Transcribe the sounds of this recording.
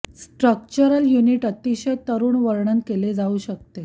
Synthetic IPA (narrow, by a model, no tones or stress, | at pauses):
sʈɾək̚t͡ɕəɾəljuniːʈət̪iɕət̪əɾuːɳʋəɾɳənkeled͡zauɕək̚t̪e